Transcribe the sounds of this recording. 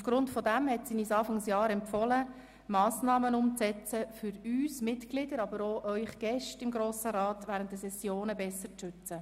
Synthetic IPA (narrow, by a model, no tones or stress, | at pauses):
ufɡ̥ɾʊntfɔdæmhɛtsinisɑːfɑŋsjɑːɾɛmpfɔlə | mɑːsnɑːmənʊmt͡st͡sɛt͡səfʏɾyːsmɪtɡ̥lɪdəɾɑbəɾoʔœʏχɡ̥ɛʃtɪmɡɾoːsəɾɑːtʋæːɾənt̚ːəsɛsjoːnəbɛsːəɾt͡sʃʏt͡sə